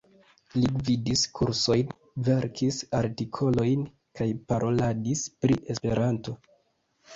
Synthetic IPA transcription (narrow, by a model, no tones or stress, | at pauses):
lividiskʰuɾso̞jn | ve̞ɾkʰisaɾtikʰo̞lo̞jn | kajpaɾʔo̞ladispɾiʔe̞spe̞ɾanto̞